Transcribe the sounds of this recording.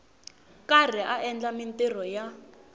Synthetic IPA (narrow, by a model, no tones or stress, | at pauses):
kar̤iʔaʔɛnd͡ɮamintir̤ɔja